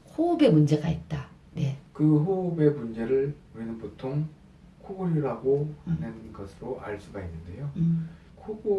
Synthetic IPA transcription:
hoɯbe̞mund͡ʑe̞ɡait̚t͈a | ne̞kɯɦoɯbe̞mund͡ʑe̞ɾɯɭuɾinɯnpotʰoŋ | kʰoɡuɾiɾaɡoanɯnɡʌsʰɯɾoʔa̰ɭs͈uɡainːɯnde̞jo | kʰoɡo

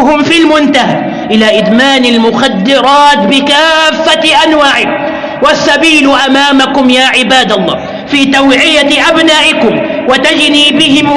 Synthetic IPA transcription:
ʊmfilmʊnt̪aɦa | ʔɪlaʔɪd̪maːnalmʊxad̪ːɪɾˤɑːt̪bɪkaːfːaʔanwaːʕɪk | wasːabiːlʔamaːmakʊmjaːʕɪbaːd̪alˤːɑ̰ː | fiːt̪awʕɪjaʔabnaːʔɪkʊmwat̪ad͡ʒniːbɪɦɪm

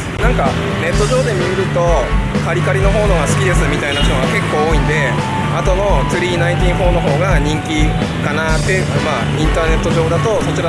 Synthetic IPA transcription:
nãŋka | ne̞t̪ːo̞ʑo̞ːd̪e̞mʲiɯɾɯ̟t̪o̞kaɾʲikaɾʲino̞ɦo̞ːno̞ɡasɨ̥kʲid̪e̞sɨmʲit̪ainaɕt̪oɡake̞kːo̞ːoːĩnd̪e̞ | at̪o̞no̞t͡sɨɾʲiːnaĩnt̪̬ʲĩɰɸo̞ːno̞ɦo̞ːɡaɲ̟ĩŋkʲi | kanat̪ːe̞ | maː | ĩnt̪aːne̞t̪ːo̞ʑo̞ːd̪at̪o̞so̞t͡ɕiɾa

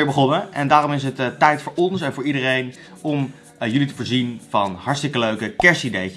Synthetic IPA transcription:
ɪːɹbəχɔnəɛndaːrɔmɪs̬ɦəttɛjtfʊːɹɔnsɛnvʊːɹidərejn | ɔm | jɵlitəvoːɹzinv̥ɑnɦɑɹtstɪkəløɥkəkɛɹsidejə

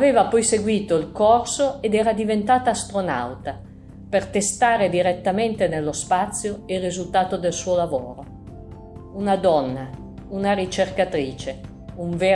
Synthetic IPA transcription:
aveːvapɔjseɡwiːt̪oilkɔrsoed̪ɛːɾad̪ivent̪aːt̪aːst̪ɾona̰wt̪a | pert̪est̪aːɾed̪iɾet̪ːament̪enelːospat̪sːjoirizult̪aːt̪od̪elsuːolavo̰ːɾo | unad̪ɔnːa | unaɾit͡ʃerkat̪ɾiːt͡ʃe | uɱveː

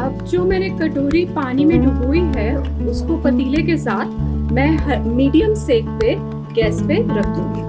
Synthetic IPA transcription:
ɐb̚d͡ʒoːmeːɾekɐʈoːɾipaːnimẽɖʱʊɡuːiɦɛʊskopɐt̪iːlekesaːt̪ʰmɛ̃ːɦmiːɖijəmseːk̚pe | ɡɛːspeɾɐkʰṵ̃ːɡiː

